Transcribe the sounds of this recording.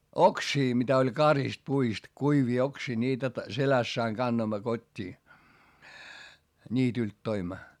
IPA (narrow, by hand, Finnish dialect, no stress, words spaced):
oksiː mitæ olʲ kɑrist puist kuiʋiː oksiː nʲiːtæ t selæsː ɑiŋ kɑnːoimːɑ kotʲːiː nʲiːtylt toimːɑ